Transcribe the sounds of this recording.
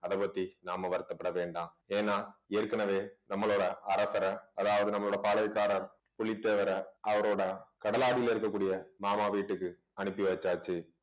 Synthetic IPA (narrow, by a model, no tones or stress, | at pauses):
ɐðɐpɐt̪ːinaːmɐʋɐɾɯt̪ːɐpːɐɽɐʋeːɳɖãː | eːnːaːeːɾkɐnɐʋeːnɐmːɐɭoːɽɐɐɾɐsɐɾɐɐðaːʋɐðɯnɐmːɐɭoːɽɐpaːlɐɪkːaːɾɐɾ | pʊɭit̪ːeːʋɐɾɐɐʋɐɾoːɽɐkɐɽɐlaːɽɪjɪlɪɾɯkːɐkːuːɽɪjɐmaːmaːʋiːʈːɯkːɯ | ɐnɯpːiʋɐt͡ʃːaːt͡ʃːɯ